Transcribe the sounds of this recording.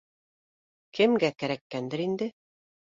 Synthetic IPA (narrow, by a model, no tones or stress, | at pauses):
kɘ̆mɡækæɾækːænd̪ɘɾind̪ɘ